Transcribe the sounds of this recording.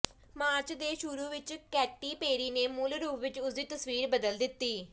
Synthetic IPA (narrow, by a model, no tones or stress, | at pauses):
maːɾt͡ʃd̪eːʃʊɾuːʋɪt͡ʃkɛːʈːiːpeːɾiːneːmʊlɾuːpʋɪt͡ʃʊsd̪iːt̪əsʋiːɾbəd̪əld̪ɪt̪ːiː